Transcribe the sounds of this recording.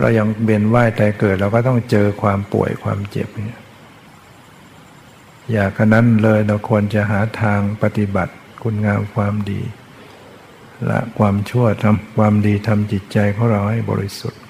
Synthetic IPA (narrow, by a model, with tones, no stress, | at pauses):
ɾa̰˧wɲa˧ŋwe˧nwaː˥˩jt̪aː˧kɤː˨˩t̪̚ɾa˧kɔː˥˩t̪ɔ˥˩ŋt͡ɕɤː˧kʰwaː˧mpṵ˨˩əjkʰwa̰ː˧mt͡ɕḛ˨˩p̚ni˧˥ | jaː˨˩k̚ʰːa˧˩na˧˥˨nlɤː˧jla˧wkʰu˧ənt͡ɕa˨ɦaː˩˦t̪ʰaː˧ŋpa˧t̪i˧˦ba˨˩t̪̚ | kʰu˧˥nŋaː˧mkʰwaː˧mdḭː˧ | lɛ̰˧˦ʔkʰwaː˧mt͡ɕʰu˥˩ɐt̪ʰa˧mkʰwaː˧mdiː˧t̪ʰa˧mt͡ɕi˨˩t̪̚t͡ɕa˧jkʰa˥˩˨wɾa˧wha˥˩jbɔ̰ː˧ɾi˦˥su˨˩t̪̚